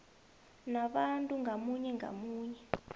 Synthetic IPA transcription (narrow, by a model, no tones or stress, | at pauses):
naɓantʼuŋɡʱamuɲɛŋɡʱa̰muːɲɛ